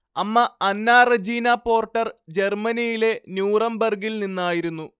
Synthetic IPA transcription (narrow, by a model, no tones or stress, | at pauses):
ɐmːɐɐnːaːrɐd͡ʑiːnapo̞ːrʈːɐrd͡ʑe̞rmɐnijile̞njuːrɐmbɐrɡilninːaːjiɾunːu